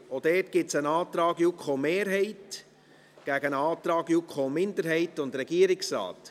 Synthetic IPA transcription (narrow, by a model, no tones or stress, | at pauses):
od̥ɛtɡ̥ɪtsənɑːtɾɑːɡjukʰχomeːɾɦɛɪt | ɡ̥æɡənɑːt̪ɾɑːɡjukʰχomɪndəɾɦɛɪtʊndɾɛɡ̥iəɾɪksɾɑ̰ːt